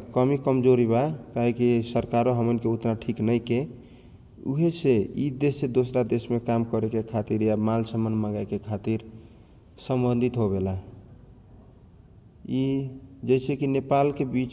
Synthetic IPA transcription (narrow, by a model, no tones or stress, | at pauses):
kəmikəmd͡ʒoɾibakaɦikisəɾkaɾoɦəmənkeut̪naʈʰiknəjke | ṵɦeseid̪esed̪osɾad̪esmekamkəɾekekʰat̪iɾjamalsəmənmãŋɡakekʰat̪iɾ | səmbənd̪ʱit̪ɦobela | id͡ʒɛsʰekinepalkebit͡ʃ